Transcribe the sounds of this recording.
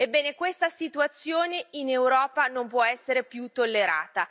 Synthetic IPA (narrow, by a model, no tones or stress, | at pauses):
ebːɛːnekwest̪asit̪uat̪sːjoːneinewɾɔːpanompwɔɛsːeɾepjut̪ːolːeɾa̰ːt̪a